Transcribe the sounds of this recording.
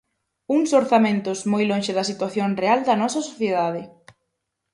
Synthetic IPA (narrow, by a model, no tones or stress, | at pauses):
uŋsoɾθamẽnt̪ʊzmojloŋʃɪðɐsit̪waθjoŋreald̪ɐnɔsɐsoθjeð̞aðɪ